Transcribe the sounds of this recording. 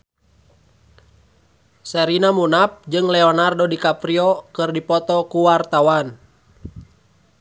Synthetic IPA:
sɛɾinamunap̚d͡ʒɨŋlɛɔnardɔdikapɾiɔkɨrdipɔt̪ɔkuwart̪awan

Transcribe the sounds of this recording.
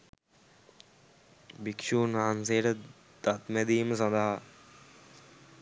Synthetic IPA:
bikʃuːnaːnseːʈə | d̪ɐt̪mɛd̪iːməs̬ɐnd̪ɐɦa

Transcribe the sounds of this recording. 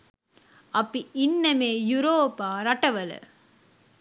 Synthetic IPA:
ɐpːiʔinːɐmeːjuɾoːpaːɾɐʈɐʋɐlɨ̰

